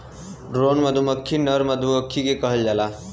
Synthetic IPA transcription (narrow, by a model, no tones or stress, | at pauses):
ɖɾonməd̪ʱuməkʰːinəɾməd̪ʱuəkʰːikekəɦəld͡ʒala